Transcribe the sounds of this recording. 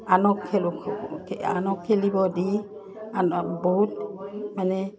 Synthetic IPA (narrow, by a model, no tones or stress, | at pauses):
anɔkʰːɛlkʰkɛa̰nɔkʰːɛlibɔdi | anbɔɦut̚manɛ